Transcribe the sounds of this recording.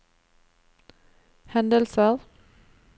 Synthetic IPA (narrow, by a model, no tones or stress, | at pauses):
hænd̪əlsəð